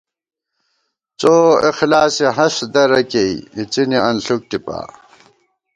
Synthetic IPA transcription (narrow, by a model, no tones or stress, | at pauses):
t͡soixlaːsiɦɐsd̪ɐɾɐkeiit͡siniɐnɬuk̚ʈipa̰ː